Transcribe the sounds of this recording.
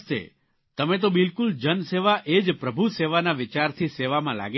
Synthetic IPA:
t̪ḛ | t̪əmẽt̪̬obɪlkuld͡ʒənseʋaʔed͡ʒpɾəbʱuseʋanaʋɪt͡ʃaɾt̪ʰiseʋamãla̰ɡ

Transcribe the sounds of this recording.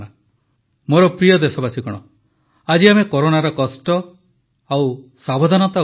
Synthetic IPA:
ɽa | moɾɔpɾijɔd̪esɔbasikɔɽ̃ɔ | ad͡ʒiamekoɾoɽaɾɔkɔsʈɔ | awsabod̪ʱanɔt̪a

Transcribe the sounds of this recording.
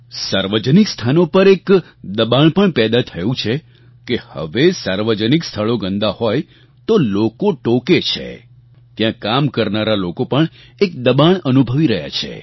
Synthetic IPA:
saɾʋəd͡ʒənikst̪ʰanopəɾek | d̪əbaɳpəɳpɛd̪at̪ʰəjũt͡ʃʰe | kehə̰ʋesaɾʋəd͡ʒənikst̪ʰəɭoɡə̃nd̪ahoj | t̪olokoʈoket͡ʃʰḛ | t̪jãkamkəɾnaɾalokopəɳ | ek̚d̪əbaɳənubʱəʋiɾəɦja̰t͡ʃʰḛ

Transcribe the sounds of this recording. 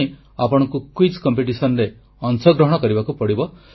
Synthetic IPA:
i | apɔɽ̃ɔŋkukwid͡ʒkɔmpeʈisɔnɾe | ɔnsɔɡɾɔɦɔɽɔkɔɾibakupɔɽibɔ

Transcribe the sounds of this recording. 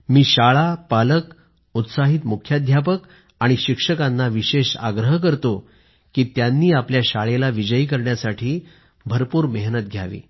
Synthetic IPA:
miːɕaɭapalək | ut̪saɦit̪mukʰjad̪ʱjapək | aɽ̃iɕikʂəkanːaʋiɕeʂa̰ɡɾəɦkəɾt̪o | kiːt̪janːiːapljaɕaɭelaʋid͡ʑəikəɾɳjasaʈʰiː | bʱəɾpuːɾmeɦnət̪̚ɡʱja̰ʋḭː

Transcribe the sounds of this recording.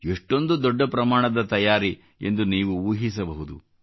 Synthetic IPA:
eʂʈo̞nd̪ud̪ɔɖːɐpɾɐmaːɳɐd̪ɐt̪ɐjaːɾi | e̞̰nd̪uniːʋuuːɦis̬ɐbɐɦud̪u

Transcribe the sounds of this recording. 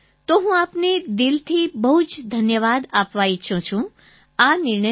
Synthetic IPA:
t̪oɦũapned̪ɪlt̪ʰibəɦud͡ʒd̪ʱənjəʋad̪apʋaiʃʰũt͡ʃʰũ | anɪɾɳə

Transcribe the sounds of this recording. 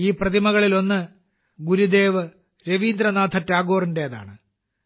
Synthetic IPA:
iːprɐðimɐɣɐɭilo̞nːɨ | ɡuɾud̪e̞ːʋɨ | ɾeʋiːnd̪ɾɐnaːt̪ʰɐtːaːɡoːrinde̞jɐða̰ːɳɨ

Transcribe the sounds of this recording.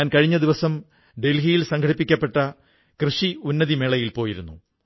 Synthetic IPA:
aːnkɐɻiɲːɐd̪iʋɐsɐm | ɖe̞lɦijilsɐŋɡʰʱɐɽipːikʲːɐpːe̞ʈːɐ | krɨʂiunːɐðimeɭɐjilpoːjiɾṵnːṵ

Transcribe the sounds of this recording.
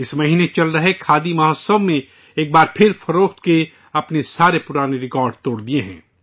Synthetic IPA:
ɪsmɐɦiːnet͡ʃɐlɾɐɦekʰaːd̪imɐɦəsəbmẽ | eːk̚baːɾpʰɪɾfʰɐɾoːkt̪ke | ɐpnesaːɾepʊɾaːneɾɪkaːɾɖ̚t̪oːɽd̪ieɦɛ̰̃ː

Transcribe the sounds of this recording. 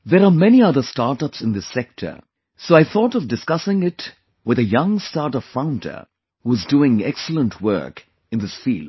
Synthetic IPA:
ðeɾamɛniʌðəstaːɾʈʌpsɨ̃nd̪ɪsɛk̚tʰə̰ | soːaɪθʰɔːʈɔvdɨskʌsɪ̃ŋɪt | wɨðəjʌ̃ŋstaːʈəv̥fãʊ̃ndə̰ | huɪzduɪ̃ŋɛksəl̩ə̃ntʰwɜ̰˞k | ɨ̃nd̪ɪsfiːld

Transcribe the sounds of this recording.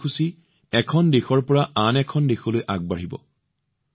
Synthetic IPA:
kʰusi | ɛkʰɔndexɔɹpɔɹaʔanɛkʰɔndexolojʔaɡ̚baɹibɔ̰

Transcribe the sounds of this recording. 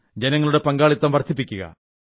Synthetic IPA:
d͡ʑenɐŋːɐɭuɽe̞pɐŋɡaːɭit̪ːɐmʋɐrt̪ʰːipːikʲːuɣɐ̰

